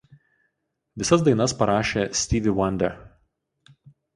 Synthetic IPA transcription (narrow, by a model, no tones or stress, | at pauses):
ʋʲɪsɐs̬d̪ɐɪnɐspɐɾɑːʃʲeːsʲt̪ʲiːʋʲɪwɐnʲd̪ʲɛ